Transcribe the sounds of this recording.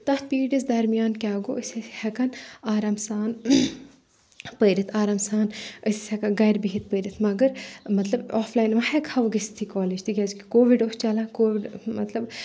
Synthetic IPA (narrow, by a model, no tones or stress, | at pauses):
t̪ɐhpiːɖizd̪ɐɾmijaːnkʲaːɡoːəsihɐkɐnaːɾaːmsaːn | pəːɾit̪ʰaːɾaːmsaːnəsisʲɛkɐnɡɐjɾbiɦit̪̚ʰpəɾit̪ʰmɐɡəɾmɐt̪lɐbɔːfʰlaːjnʋɐhɛkʰɐʋɡɐst̪ʰikɔːleːd͡ʒt̪ʰiɡʲezki̥koːʋiɖost͡ʃɐlakoːʋiɖmɐt̪lɐb